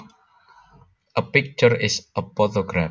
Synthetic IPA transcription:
əpɪk̚t͡ʃəɹɪsəpɔt̪ɔɡɾa

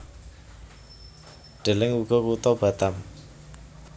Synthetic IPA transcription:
ɖ̥e̤lɪŋuɡ̥ɔ̤kut̪ɔb̥a̤t̪am

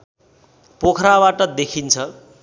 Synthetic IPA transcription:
pokʰɾabaʈʌd̪ekʰint͡sʰʌ

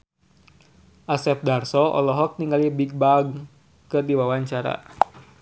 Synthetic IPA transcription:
ʔasɛp̚darsɔʔɔ̰lɔɦɔk̚niŋɡalibiɡ̚baɡ | kɨrdiwawaɲt͡ʃaɾa̰

